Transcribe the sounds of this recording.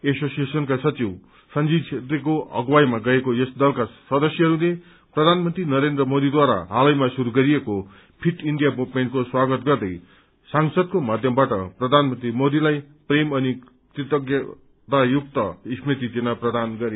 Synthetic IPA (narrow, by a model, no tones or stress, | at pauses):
esosijesʌnkasʌt͡siw | sʌnd͡zit͡ʃʰet̪rekoʌ̰ɡwajmaɡʌekojʌsd̪ʌlkasʌd̪ʌsjʌɦʌɾule | prʌd̪ʱanmʌnt̪rinʌɾend̪rʌmod̪id̪waɾa̰ɦalʌjmasuɾuɡʌɾieko | pʰiʈiɳɖijamupmeɳʈ̚koswaɡʌt̪ɡʌrd̪ʌj | saŋsʌd̪̚komad̪ʱjʌmbaʈʌ̰prʌd̪ʱanmʌnt̪rimod̪ilaj | premʌni | t̪it̪ʌɡjʌ | t̪ajuk̚t̪ʌismit̪id͡zenaprʌd̪anɡʌɾe